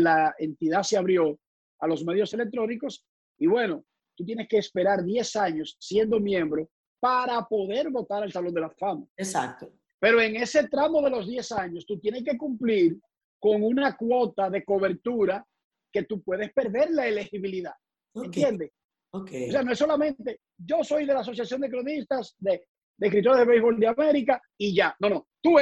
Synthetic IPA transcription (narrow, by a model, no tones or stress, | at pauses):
lae̞nt̪iðaseaβɾjo̞ | alo̞sme̞ðjose̞lek̚t̪ɾo̞niko̞s | iβwe̞no̞ | t̪ut̪̬je̞ne̞skeːspe̞ɾaɾðje̞saɲo̞sːje̞nd̪o̞mjẽ̞mbɾo̞ | paɾapo̞ðe̞ɾβo̞t̪aɾe̞lsalo̞nd̪e̞lafamaesak̚t̪o | pe̞ɾoe̞ŋe̞se̞t̪ɾamo̞ðe̞lo̞zðje̞saɲo̞st̪ut̪je̞neke̞kumpliɾ | ko̞ŋunakwo̞t̪aðe̞ko̞β̞e̞ɾt̪uɾa | ke̞t̪upwe̞ðe̞spe̞ɾðe̞ɾlaele̞xiβiliðað | oent̪jend̪es | okeos̬e̞anoesolamẽ̞nt̪e̞ | ɟ͡ʝo̞so̞jðe̞laːso̞sjasjo̞nd̪e̞kɾonist̪asd̪e | d̪eeskɾit̪o̞ɾezðeβejβo̞ld̪eame̞ɾika | iʝano̞not̪u